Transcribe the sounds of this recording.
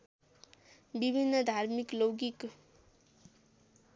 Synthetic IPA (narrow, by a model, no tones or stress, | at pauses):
bibʱinːʌd̪ʱaɾmikloɡik